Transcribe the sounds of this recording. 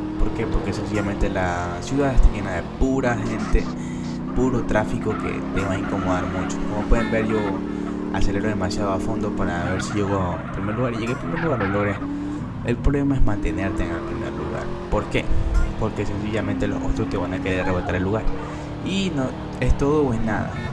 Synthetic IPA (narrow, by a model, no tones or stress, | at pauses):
po̞ɾke̞po̞ɾke̞se̞nsiʝamẽ̞nt̪ela | sjuðaðest̪ajenaðe̞puɾaxe̞nt̪e | puɾo̞t̪ɾafiko̞kḛt̪eβaiŋko̞moðaɾmũt͡ʃo̥komopwe̞ðe̞mbe̞ɾjo | a̰seɾeloðemasjaðoafo̞nd̪o̞paɾaβeɾsiʝeɣoḛmpɾime̞ɾluɣaɾiʝeɣepɾimeɾluɣaɾðeɣloɾes | elpɾoβlemae̞zmãnt̪e̞ne̞ɾt̪eːŋelpɾimḛɾlṵɣa̰ɾpo̞ɾke̞̰po̞ɾkese̞nsiʝamẽnt̪elo̞̰hot̪ɾost̪eβanakeɾeɾreβat̪aɾelːuɣaɾ | ino | e̞st̪o̞ðopwesna̰ða̰